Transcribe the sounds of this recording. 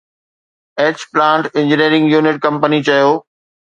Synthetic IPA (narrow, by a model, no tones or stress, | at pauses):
eːt͡ɕplãːɳʈɪ̃ɲd͡ʑɪniːɾɪ̃ŋɡjuːnɪʈ̚kɐ̃mpənit͡ɕɐjoː